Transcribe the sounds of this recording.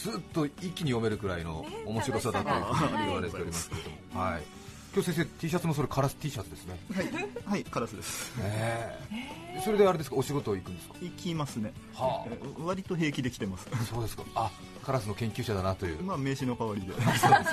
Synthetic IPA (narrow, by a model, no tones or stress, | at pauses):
d͡z̥ɨːt̪ːo̞ikʲːiɲ̟ijo̞me̞ɾɯ̟ɡɯ̟ɾaino̞̰ːmo̞ɕiɾo̞sad̪at̪ːoɾβaɾete̞o̞ɾʲimaskɾed̪omo̞haḭ | kʲjoːsẽs̬eːt̪ʲiːɕat͡sɨmoso̞ɾekʰaɾasɨ̥t̪ʲiːɕat͡sɨd̪e̞sɨne̞haihaikaɾasɨd̪esɨ̥e | so̞ɾe̞d̪e̞aɾe̞d̪esɨ̥kao̞ɕiɡo̞t̪oːikɯ̟nd̪e̞sɨ̥kḁikʲimasɨne̞ | ha̰βaɾʲit̪o̞ɦe̞ːkʲid̪ekʲi̥t̪e̞masɨ̥so̞ːd̪e̞sɨ̥kaa | kaɾasɨno̞kẽ̞ŋkʲɨːɕad̪anat̪o̞jɯ̟ːmame̞ːɕino̞kaβaɾʲid̪e̞soːd̪es